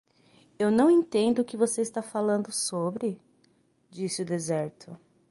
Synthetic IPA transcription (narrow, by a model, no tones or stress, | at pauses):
ewnɐ̃w̃ẽt̪ẽnd̪ʊːkɪvoseɪst̪afalɐ̃nd̪ʊsobɾɪ | d͡ʒisɪʊd̪ezɛɾt̪ʰʊ